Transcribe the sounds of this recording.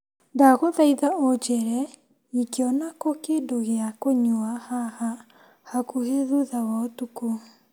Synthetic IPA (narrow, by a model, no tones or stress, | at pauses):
daɣoðaiðaod͡ʒɛɾɛ | ikeɔnakokedoɣeakoɲuahaha | hakuheðuðawaotuko